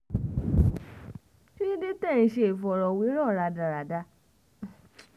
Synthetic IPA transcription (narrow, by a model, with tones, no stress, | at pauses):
ti˦ĩ˦de˦tɛ̃˦˨ĩ˧ʃe˧e˨fɔ˨ɾɔ˨wi˨˦ɾɔ˦˨ɾa˧da˨ɾa˨da˧˦